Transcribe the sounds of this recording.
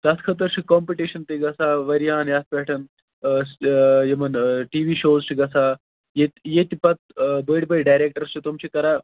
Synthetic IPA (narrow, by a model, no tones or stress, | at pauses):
t̪ɐt̪ʰkʰɐt̪ɐɾʃikɔːmpiʈiʃɐnt̪iɡɐsaːʋɐɾjaːnjaːt̪̚pɛːʈʰɐn | sjemɐnʈiːʋiːʃoːzʰiɡɐsaː | jet̪jet̪ipɐt̪̚bəːɽbəjɖaːjɾeːk̚ʈəɾst͡ʃʰit̪umt͡ɕʰikɐɾa